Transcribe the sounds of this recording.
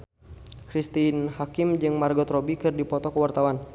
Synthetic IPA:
kɾist̪inhakimd͡ʒɨŋmarɡɔt̪rɔbikɨrdipɔt̪ɔkəwart̪awan

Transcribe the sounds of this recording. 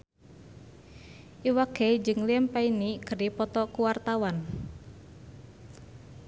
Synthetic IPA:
ʔiwaɡ̥ɛd͡ʒɨŋliɛmpainikəɾipɔt̪ɔkuwart̪awan

